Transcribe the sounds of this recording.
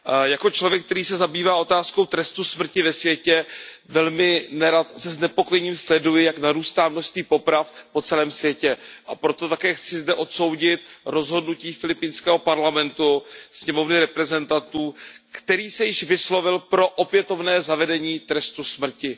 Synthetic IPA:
jako̞t͡ʃlo̞vjɛk̚t̪ɛɾiːsɛzabiːvaːo̞t̪aːsko̞wt̪ɾɛst̪usmr̩cɪvɛsvjɛcɛ | vɛlmɪnɛɾat̪sɛznɛpo̞kojɛɲimslɛdujɪjaknaɾuːʃst̪aːmnoʃst̪viːpo̞pɾafpo̞t͡sɛlɛːmsvjɛcɛʔapɾo̞t̪o̞t̪akɛːxt͡sɪzdɛʔo̞t̪so̞wɟɪt̪̚ɾo̞zɦo̞dnuciːfɪlɪpɪnskɛːɦo̞paɾlamɛnt̪usɲɛmo̞vnɪɾɛpɾɛzɛnt̪at̪uːkt̪ɛɾiːsɛjɪʃvɪslo̞vɪlpɾo̞ʔopjɛt̪o̞vnɛːzavɛdɛɲiːt̪ɾɛst̪usmr̩cɪ

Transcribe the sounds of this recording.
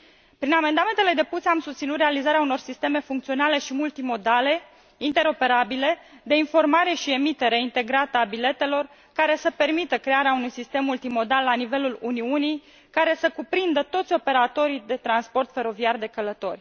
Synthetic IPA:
pɾiname̞nd̪ame̞nt̪e̞le̞d̪e̞puseamsust̪sinut̪realizaɾeauno̞rsist̪e̞me̞fuŋk̚t̪sio̞nale̞ʃimult̪imo̞d̪ale̞ | int̪e̞ɾo̞pe̞ɾabile̞d̪e̞info̞rmaɾe̞ʃie̞mit̪e̞ɾeint̪e̞ɡɾat̪əabile̞t̪e̞lo̞r | kaɾe̞səpe̞rmit̪əkɾe̞aɾeaunujsist̪e̞mːult̪imo̞d̪alːanive̞luluniunij | kaɾe̞səkupɾind̪ət̪o̞t̪sʲo̞pe̞ɾat̪o̞ɾid̪e̞t̪ɾanspo̞rt̪fe̞ɾo̞viard̪e̞kələt̪o̞rʲ

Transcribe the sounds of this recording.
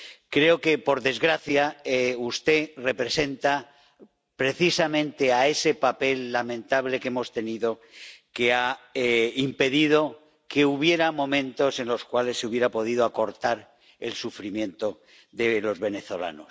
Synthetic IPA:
kɾe̞oke̞po̞ɾðe̞zɣɾaθjaeust̪e̞re̞pɾe̞se̞nt̪a | pɾe̞θisamẽnt̪e̞ae̞se̞pape̞lːamẽ̞nt̪aβle̞keemo̞st̪e̞niðo̞ke̞a | impe̞ðið̞o̞ | ke̞uβ̞je̞ɾamõ̞mẽ̞nt̪o̞se̞nlo̞skwale̞sːeuβje̞ɾapo̞ðið̞oako̞ɾt̪aɾ | e̞̰lsufɾimjẽ̞nt̪o̞ | ðe̞lo̞zβe̞ne̞θo̞la̰nos

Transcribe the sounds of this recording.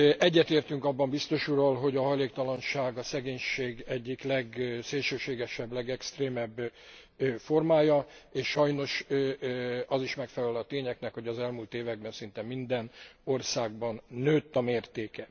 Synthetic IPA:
ʔɛɟːɛt̪eːrt̪yŋkɒbːɒmbist̪o̞ʃuɾolɦo̞ɟɒɦɒjleːkt̪ɒlɒnʃaːɡɒsɛɡeːɲʃeːɡɛɟːiklɛɡseːlʃøːʃeːɡɛʃɛblɛɡɛkst̪reːmɛbː | fo̞rmaːjɒeːʃʃɒjno̞ʃ | ɒziʃmɛkfɛlɛlɒt̪eːɲɛknɛkho̞ɟɒzɛlmult̪eːvɛɡ̚bɛnsint̪ɛmːind̪ɛno̞rsaːɡbɒnːøːt̪ːɒmeːrt̪eːkɛ

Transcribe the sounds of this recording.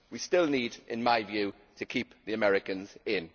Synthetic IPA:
wistɪlˠniːdɪ̰̃nmaɪvjʉː | tʰəkʰiˑpðiəmɛɹɪkə̃nzɪ̃n

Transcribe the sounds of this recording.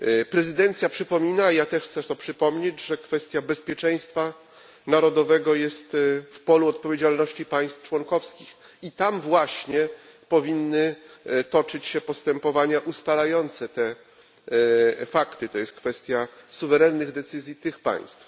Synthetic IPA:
pɾɛzɘd̪ɛnt̪sʲjapʂɘpɔmʲinajat̪ɛʂxt̪sɛt̪ɔpʂɘpɔmɲed͡ʑʐɛkfɛst̪ʲjabɛspʲjɛt͡ʂɛj̃st̪fa | naɾɔd̪ɔvɛɡɔjɛst̪fpɔluɔt̪̚pɔvʲjed͡ʑalnɔɕt͡ɕipaj̃st̪ft͡ʂwɔŋkɔfskʲix | it̪amvwaɕɲɛ | pɔvʲinːɘt̪ɔt͡ʂɘt͡ɕɕɛpɔst̪ɛmpɔvaɲaʔust̪alajɔnt̪sɛt̪ɛ | fakt̪ɨt̪ɔjɛst̪̚kfɛst̪ʲjasuvɛɾɛnːɘɣd̪ɛt̪sɘzʲjit̪ɘxpa̰j̃st̪f

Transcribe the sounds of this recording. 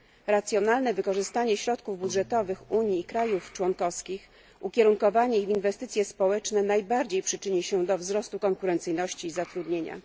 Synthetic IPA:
ɾat̪sʲjɔnalnɛvɘkɔʐɘst̪aɲɛɕɾɔt̪kuvbudʐɛt̪ɔvɘxuɲiːkɾajuft͡ʂwɔŋkɔfskʲix | ukʲɛɾuŋkɔvaɲɛivʲinvɛst̪ɘt̪sʲjɛspɔwɛt͡ʂnɛnajbaɾd͡ʑejpʂɘt͡ʂɘɲɛɕɛd̪ɔvzɾɔst̪ukɔŋkuɾɛnt̪sɘjnɔɕt͡ɕiːzat̪ɾud̪ɲeɲa̰

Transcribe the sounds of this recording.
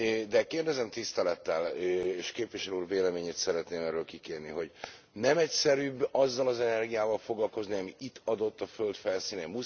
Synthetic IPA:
d̪ɛkeːrd̪ɛzɛmt̪ist̪ɛlɛt̪ːɛleːʃkeːpʋiʃɛluːrveːlɛmeːɲeːt̪sɛɾɛt̪neːmɛrøːlkikeːrniɦo̞ɟ | nɛmɛcsɛɾyːbɒzːɒlɒzɛnɛrɡijaːvɒlfo̞ɡlɒlko̞zniɒmiit̪ːɒd̪o̞t̪ːɒfø̞lt̪fɛlsiːnɛmu

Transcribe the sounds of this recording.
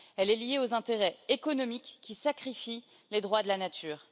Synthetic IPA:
ɛlɛlijeozɛ̃t̪eʁɛekɔnɔmikʲːisakχifi | led̪ʁwad̪əlanat̪ʰyːʁ

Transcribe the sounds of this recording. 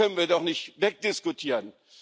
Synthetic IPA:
œnənviːɐdɔχnɪçtvɛk̚d̥ɪskʊtʰiːʁən

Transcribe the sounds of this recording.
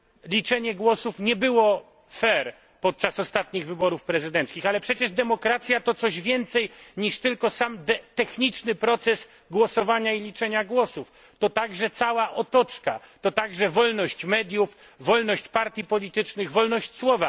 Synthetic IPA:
lʲit͡ʂɛɲɛɡwɔsufɲɛbɘwɔ | fɛɾ | pɔt̪̚t͡ʂasɔst̪at̪ɲiɣvɘbɔɾufpɾɛzɘd̪ɛnt̪skʲixalɛpʂɛt͡ɕɛʐd̪ɛmɔkɾat̪sʲjat̪ɔt̪sɔʑvʲjɛnt̪sɛjɲiʂt̪ɘlkɔsamd̪ɛt̪ɛxɲit͡ʂnɘpɾɔt̪sɛs | ɡwɔsɔvaɲailʲit͡ʂɛɲaɡwɔsuf | t̪ɔt̪aɡʐɛt̪sawaʔɔt̪ɔt͡ʂkat̪ɔt̪aɡʐɛvɔlnɔɕt͡ɕmɛd̪ʲjufː | ɔlnɔɕt͡ɕpaɾt̪ʲjipɔlʲit̪ɘt͡ʂnɘɣvɔlnɔɕt͡ɕswɔva

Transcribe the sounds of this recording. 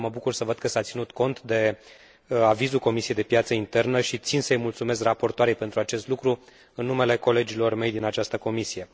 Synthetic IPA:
məbukursəvəd̪̚kəsat̪sinut̪ko̞nt̪d̪e̞ | avizulko̞misijejd̪e̞pjat̪səint̪e̞rnəʃit̪sinsəəjmult̪sumes̬krapo̞rt̪oaɾejpent̪ɾuat͡ʃe̞st̪lukɾu | ɨnːume̞le̞ko̞le̞d͡ʒilo̞rme̞jd̪inat͡ʃast̪əko̞misije̞

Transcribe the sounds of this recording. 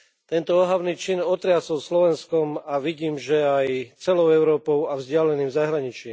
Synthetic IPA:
t̪ɛnt̪ɔɔɦaʊniːt͡ʃinɔt̪ɾɪasɔlslɔʋɛnskɔmaʋiɟiːmʒɛajt͡sɛlɔʊɛʊɾɔːpɔʊavzɟɪalɛniːmzaɦɾaɲit͡ʃim

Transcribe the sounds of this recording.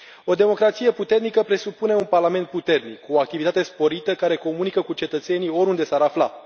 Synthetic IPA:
o̞d̪e̞mo̞kɾat̪sije̞put̪e̞rnikəpɾe̞supune̞unparlame̞nt̪̚put̪e̞rnikːuoak̚t̪ivit̪at̪e̞spo̞ɾit̪əkaɾe̞ko̞munikəkut͡ʃe̞t̪ət̪se̞nio̞ɾund̪e̞saɾafla̰

